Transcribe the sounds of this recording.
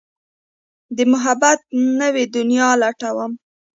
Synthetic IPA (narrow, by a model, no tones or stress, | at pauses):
d̪əmʊɦabat̪̚nəwed̪ʊnjɑlaʈawəm